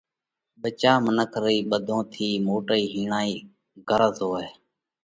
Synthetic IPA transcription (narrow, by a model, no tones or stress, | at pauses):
ɓət͡ʃaːmənəkʰɾiːɓəd̪ʱõːt̪ʰiːmoːʈəiːɦiːɳaːiː | ɡəɾəzoːeː